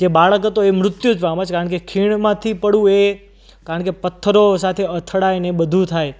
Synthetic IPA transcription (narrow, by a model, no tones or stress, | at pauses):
d͡ʒebaɭəkət̪oemɾʊt̪jud͡ʒʋamãt͡ʃʰkaɾəɳkekʰiɳmãt̪ʰipəɽũe | kaɾəɳkepət̪ʰːəɾosat̪ʰeət̪ʰəɽajnebəd̪ʱũt̪ʰaj